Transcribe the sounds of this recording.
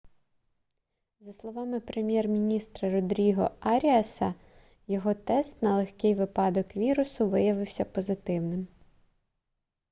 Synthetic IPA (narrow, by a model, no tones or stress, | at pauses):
zɐslˠɔʋɑmɪpɾe̞mʲjɛrmʲinʲist̪ɾɐɾɔd̪ɾʲiɦɔɑɾʲiɐsɐ | jɔɦɔt̪ɛst̪nɐlˠexkɪjʋɪpɑd̪ɔkʋʲiɾʊsʊʋɪjɐʋɪwsʲɐpɔzɪt̪ɪwnɪm